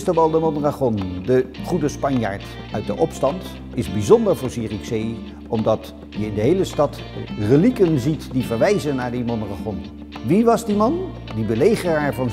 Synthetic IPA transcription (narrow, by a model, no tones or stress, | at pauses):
stəʋɑlˠdəmɔnraχɔndəχudəspɑnja̰ːɹt | œɥt̚dəʔɔpstɑnt | ɪzbizɔndəɹvʊːɹsiːriksej | ɔmdɑt | jəɪndəɦejləstɑt | rəlikənzitdivəɹʋɛjzənːaːɹdimɔnraχɔn | ʋiʋɑzdimɑn | dibəlejχəraːɹvɑn